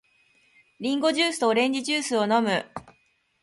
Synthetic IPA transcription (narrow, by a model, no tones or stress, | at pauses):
ɾʲĩŋɡo̞ʑɨːsɨ̥t̪oɾẽ̞ɲ̟d͡ʑiʑɨːsɨo̞no̞mɯ̟